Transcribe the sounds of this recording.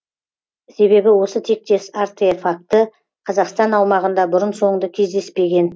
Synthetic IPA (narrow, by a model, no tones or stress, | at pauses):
se̞βe̞bɪwo̞sət̪ʰe̞k̚t̪e̞saɾt̪efak̚t̪ə | qʰɑzɑqst̪ɑnɑwmɑʁənd̪ɑbʊɾənso̞ɴd̪əkʲʰe̞zd̪e̞spe̞ɡʲe̞n